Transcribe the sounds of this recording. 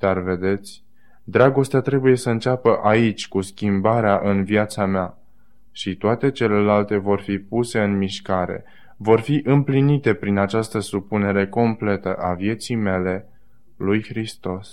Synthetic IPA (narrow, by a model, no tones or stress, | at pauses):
d̪̥arve̞d̪e̞t̪sʲ | d̪ɾaɡo̞st̪eat̪ɾe̞buje̞səɨnt͡ʃapəʔait͡ʃʲkuskʲimbaɾeaʔɨnvjat̪samea | ʃit̪oat̪e̞t͡ʃe̞le̞lalt̪e̞vo̞rfipuse̞ɨnmiʃkaɾe̞̰ | vo̞rfiʔɨmplinit̪e̞pɾinat͡ʃast̪əsupune̞ɾe̞ko̞mple̞t̪əʔavje̞t̪sijme̞le̞ | lujxɾist̪o̞s